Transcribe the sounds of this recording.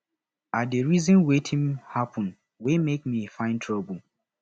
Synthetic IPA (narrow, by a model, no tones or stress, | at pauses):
adeɹizɔ̃nwetʰĩmhapʰɔ̃n | wemek̚mifãɪ̃ntʰɹɔbə